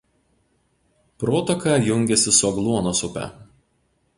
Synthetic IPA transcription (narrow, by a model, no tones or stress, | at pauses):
pɾoːt̪ɔkɑːjʊŋʲɡʲɛsʲɪsʊɔɡlˠuɔnosʊpʲɛ̰